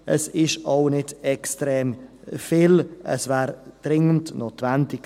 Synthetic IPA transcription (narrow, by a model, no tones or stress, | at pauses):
ʔəsɪʃaʊnɪdɛkstɾɛːmfɪlʔə̰svɛːɾd̥ɾɪŋəntnoːtvɛntɪk